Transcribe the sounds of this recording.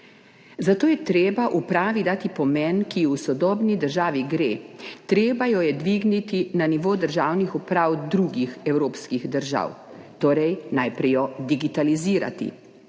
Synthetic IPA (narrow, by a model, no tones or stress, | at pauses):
zat̪oːjɛt̪ɾeːbaʔupɾaːʋid̪aːt̪ipɔmɛnkiusɔd̪ɔːbnid̪əɾʒaːʋiɡɾeːt̪ɾeːbajɔjɛd̪ʋiɡnit̪inaniʋoːd̪əɾʒaːwnixupɾawd̪ɾuɡixɛwɾoːpskiɣd̪əɾʒa̰wt̪oːɾɛjnajpɾɛjɔd̪iɡit̪aliziːɾa̰t̪ḭ